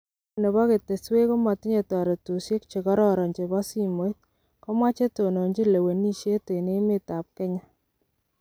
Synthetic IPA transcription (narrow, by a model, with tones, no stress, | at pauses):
ne˨βa˦ke˨te˨swe˦ko˦ma˨tɪ˦ɲe˨tɔ˨ɾɔ˨tu˨sje˦kt͡ʃe˨kɔ˦ɾɔ˦ɾɔ˨ɲd͡ʒe˨ba˦si˦mo˨˦i˦t̚ | kɔ˦mwa˦t͡ʃe˦to˨no˨ɲd͡ʒi˦le˨we˨ni˦ʃje˦te˨ne˦mɪ˦ta˨p̚kɛ˦ɲa˦